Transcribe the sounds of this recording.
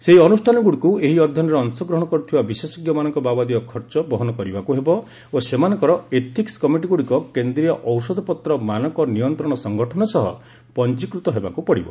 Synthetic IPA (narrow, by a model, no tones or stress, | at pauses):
seɦiɔnusʈʰanɔɡuɽikueɦiɔd̪ʱjɔnɔɾeɔnsɔɡɾɔɦɔɽ̃ɔkɔɾut̪ʰibabisesɔɡjɔmanɔŋkɔbabad̪iɔkʰɔɾt͡ʃɔbɔɦɔnɔkɔɾibakuɦebɔ | osemanɔŋkɔɾɔet̪ʰikskɔmiʈiɡuɽikɔkend̪ɾijɔʔɔwsɔd̪ʱɔpɔt̪ɾɔmanɔŋkɔnijɔnt̪ɾɔɽ̃ɔsɔŋɡɔʈʰɔnɔsɔɦɔ̰ | pɔnt͡ʃikɾut̪ɔɦebakupɔɽibɔ̰